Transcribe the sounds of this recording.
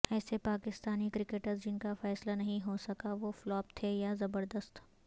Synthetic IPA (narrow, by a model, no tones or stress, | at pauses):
ɛːsepaːkɪst̪aːnikɾɪkeʈəɾzd͡ʒɪnkafɛːslanɐɦĩɦosɐkaʋoflɔːp̚t̪ʰejazɐbəɾd̪əst̪